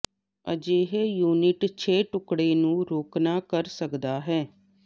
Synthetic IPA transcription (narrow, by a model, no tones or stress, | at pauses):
ə̰d͡ʒeːɦeːjuːnɪʈt͡ʃʰeːʈʊkɽeːnũːɾoːknaːkəɾsəkd̪aːɦɛː